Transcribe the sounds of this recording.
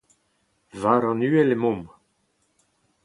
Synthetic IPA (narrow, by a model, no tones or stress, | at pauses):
vaːɾɑ̃nyːɛlemɔ̃m